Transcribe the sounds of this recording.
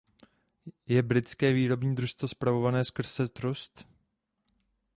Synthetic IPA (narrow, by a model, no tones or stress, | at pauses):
jɛbɾɪt͡skɛːviːɾo̞bɲiːd̪ɾuʃst̪vospɾavovanɛːskr̩z̥ɛt̪ɾust̪